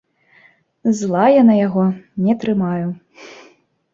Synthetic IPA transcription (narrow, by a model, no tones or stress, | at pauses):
zlˠajanɐjaɣɔnʲɛt̪ɾɨmaju